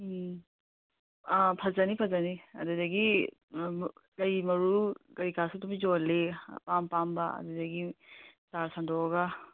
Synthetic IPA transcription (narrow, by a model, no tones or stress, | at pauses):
pʰɐzanipʰɐzaniɐ̰dudɐɡi | kɐjmɐɾukɐikasutumid͡ʒolepampambaɐ̰dudɐɡisaɾsandɔɡa